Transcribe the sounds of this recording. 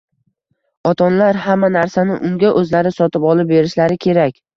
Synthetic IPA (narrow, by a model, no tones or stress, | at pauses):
ɒt̪ʰɒnlaɾhamːanaɾsanɪʔʊŋɡʲaʔɵzlaɾɪsɒt̪ɪpɒlˠɪp̚be̞ɾɪʃlaɾɪkʲʰe̞ɾakʲ